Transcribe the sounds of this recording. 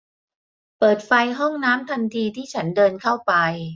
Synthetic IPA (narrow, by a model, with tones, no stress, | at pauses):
pɤː˨˩t̪̚fa˧jɦɔ˥˩ŋnaː˦˥mt̪ʰa˧nt̪ʰiː˧t̪ʰiː˥˩t͡ɕʰa˦˥ndɤː˧nkʰa˥˩wpa˧j